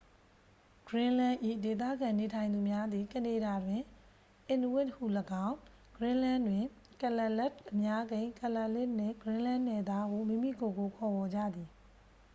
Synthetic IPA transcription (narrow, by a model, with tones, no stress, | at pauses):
ɡ̥ɹɪ̃˦lã˦ʔḭ˦˨de˨t̪̬ä̰˦˨ɡã˨ne˨tʰã˨ɪ̃nd̪u˨mja˦d̪i˨kə˨ne˨ɾa˨dwɪ̃˨ | ʔɪ̃˨n˨wɪ˦thṵ˦˨ləɡã˦ʊ̃ | ɡ̥ɹɪ̃˦lã˦ndwɪ̃˨ | kə˨lɛ˦˨lɛ˦tʔə˨mja˦ɡẽ˦ɪ̃kə˨la˨ʔlɪ˦ʔnɪ̰̃˦˨ɡɹɪ̃˦lã˦nːɛ˨d̪a˦ɡo˨mĩ˦˨mḭ˦˨ɡo˨ɡo˨kʰɔ˨bɔ˨d͡ʑä̰˦˨d̪ði˨